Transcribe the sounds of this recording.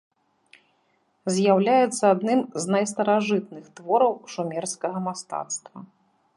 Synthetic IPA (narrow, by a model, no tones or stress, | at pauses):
zʲjawlʲajɛt̪sːɐad̪nɨmznɐjst̪ɐɾaʐɨt̪̚nɨxt̪vɔɾɐwʂumʲɛrskɐɣɐmast̪a̰t̪st̪vɐ